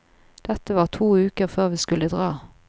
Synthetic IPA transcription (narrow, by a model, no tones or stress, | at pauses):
d̪̥ɛt̪əʋɑːʁt̪ʰuːʉːkəʁføːʁʋiːskʉləd̪ʁɑː